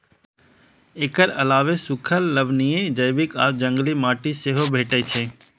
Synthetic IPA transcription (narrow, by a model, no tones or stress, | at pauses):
eːkəɾɐlaːʋesʊkʰəlːəʋnied͡ʒəjbɪka̰ːd͡ʒə̃ŋɡlimaːʈiseɦobʱeːʈət͡ʃʰeː